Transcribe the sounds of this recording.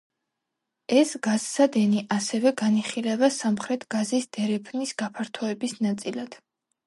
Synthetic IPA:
ɛsɡ̥azsad̪ɛniʔasɛvɛɡaniχilɛvasamχɾɛt̪ʰɡ̥azisd̪̥ɛɾɛpʰnisɡ̥apʰaɾt̪ʰɔɛbisnat̪sʼilad̪̥

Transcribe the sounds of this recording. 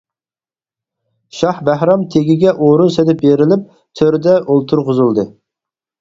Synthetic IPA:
ʃɑhbæhɾɑmt̪ʰeɡʲiɡʲɛʔoɾunsed̪ɪp̚beɾɪlɪp̚ | t̪ʰøɾd̪ɛʔolˠt̪ʰuɾqʊzulˠd̪ɨ

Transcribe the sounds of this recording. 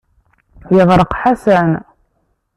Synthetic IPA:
jəʁɾˤəqħasæn

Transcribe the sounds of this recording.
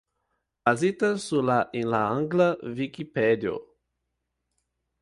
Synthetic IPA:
bazit̪ɐsulaʔĩnlaãŋɡlɐvikipɛd̪jo̰

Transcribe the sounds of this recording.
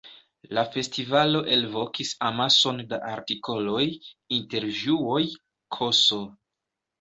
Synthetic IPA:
lafe̞stivalo̞ʔe̞lvo̞kisamaso̞nda̰ʔaɾtiko̞lo̞jinte̞ɾʒuo̞j | kʰo̞so̞

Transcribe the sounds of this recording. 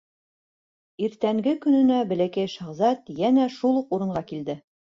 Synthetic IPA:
iɾt̪æŋɡɘkɵ̆nɵ̆næbɘ̆lækæjʃɑʁzɑt̪jænæʃulˠuquɾɤ̆ɴɢɑkild̪ɘ

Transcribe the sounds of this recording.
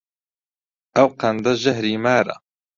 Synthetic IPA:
ʔɐwqɐnd̪ɐʒɐɦɾiːmaːɾɐ̰

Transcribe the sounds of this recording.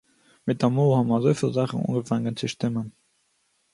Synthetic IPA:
mɪt̚dɐmoːhɑnmɐzəʊfilzæːχəno̰ːŋɡəfæŋənt͡səʃtɪmən

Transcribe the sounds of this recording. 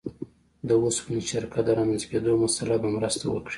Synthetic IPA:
d̪əospuniʃaɾkat̪d̪əɾamanzked̪omasalabamɾəst̪awə̰kɽi̥

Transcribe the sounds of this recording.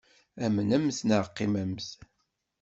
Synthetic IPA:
æmənæmθnəʁqːɪmæmθ

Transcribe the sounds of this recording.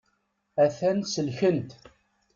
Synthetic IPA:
æθænsəlçənt̪

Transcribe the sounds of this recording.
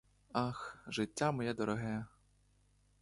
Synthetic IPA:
ɑxʒɪtʲːamɔjɛd̪ɔɾɔɦɛ

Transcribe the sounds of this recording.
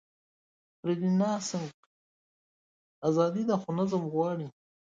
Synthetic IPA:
pɾed̪inɑːsəŋk | azɑːd̪id̪axʊnazəmɣwɑːɽi

